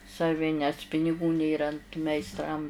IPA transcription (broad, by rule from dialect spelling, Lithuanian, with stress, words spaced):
sɐˈʋʲɪ nʲɛs pʲɪnʲɪˈɡuː ˈnʲeːrɐ ɐnt mʲɛɪsˈtrɐm